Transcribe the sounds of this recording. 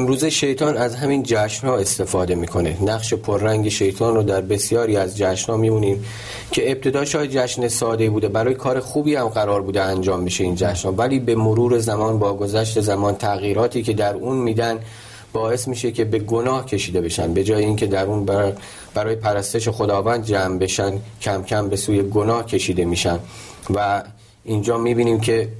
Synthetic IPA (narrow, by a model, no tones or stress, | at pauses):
emɾuːzeʃe̞jt̪ʰɒːnæzɦæmiːnd͡ʒæʃnhɒːe̞st̪e̞fɒːd̪e̞miːkʰo̞ne̞næɣʃe̞pʰoɾːæŋɟe̞ʃe̞jt̪ʰɒːnrod̪æɾbe̞sjɒːɾiːæzd͡ʒæʃnhɒːmiːbuːniːm | cʰe̞ːb̚t̪ʰe̞d̪ɒːʃɒːhed͡ʒæʃnesɒːd̪eibuːd̪e̞bæɾɒːjekʰɒːɾe̞xuːbiːhæmɢæɾɒːɾbuːd̪eænd͡ʒɒːmbiʃe̞iːnd͡ʒæʃnhɒːvæliːbe̞moɾuːɾe̞zæmɒːnbɒːɡo̞zæʃ̬t̪e̞zæmɒːnt̪ʰæɣiːɾɒːt̪ʰiːcʰe̞d̪æɾuːnmiːd̪ænd̪ | bɒːe̞smiːʃecʰe̞be̞ɡonɒːhcʰe̞ʃiːd̪e̞be̞ʃæ̰nbe̞d͡ʒɒːjeiːncʰe̞d̪æɾuːnb | b̥æɾɒːjepʰæɾæst̪e̞ʃ̬e̞xo̞d̪ɒːvæːnd̪̚d͡ʒæmbe̞ʃæncʰæmcʰæmbe̞suːje̞ɡonɒːhcʰe̞ʃiːd̪e̞miːʃændvæ | ind͡ʒɒːmiːbiːniːmcʰe̞